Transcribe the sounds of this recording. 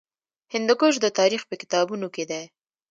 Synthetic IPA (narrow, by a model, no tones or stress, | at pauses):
hɪnd̪ʊkoʃ̬d̪ət̪ɑɾixpəkɪ̥t̪ɑbunoked̪e